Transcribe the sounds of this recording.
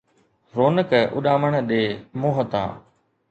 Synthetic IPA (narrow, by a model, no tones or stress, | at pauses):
ɾoːnəkəʔʊ̰ɗaːməɳ̃ɗeːmoːɦət̪ã̰ː